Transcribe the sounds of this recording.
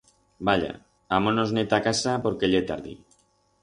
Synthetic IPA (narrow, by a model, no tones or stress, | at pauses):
baʎa̰ | amonoznet̪akasapoɾkeʎet̪aɾðḭ